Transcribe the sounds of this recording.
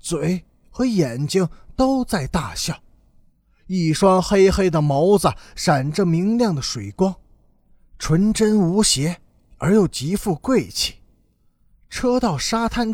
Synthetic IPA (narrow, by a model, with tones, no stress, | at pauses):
t͡swe˨˩ɪ | xɤ˧˥jɛ˨˩nt͡ɕi˥ŋt̪o˥ʊt͡sa˥˧ɪt̪a˥˧ɕjɑ˥˩ʊ | i˥˩ʂwɑ˥ŋxe˥ɪxe˥ɪd̪ə˨mo˧˥ʊd͡zə˨˩ʂa˨˩nʈ͡ʂə˥mi˧˥ŋljɑ˥˩ŋd̪ə˩ʂwe˨˩ɪkwɑ˥ŋ | ʈ͡ʂʰwə˧˥nʈ͡ʂə˥nu˧˥ɕjɛ˧˥ | ə˞˧˥jo˨˩ʊt͡ɕi˧˥fu˥˧kwe˥˩ɪt͡ɕʰi̥˨˩ | ʈ͡ʂʰɤ˥t̪ɑ˥˩ʊʂa˥t̪ʰa˥˧n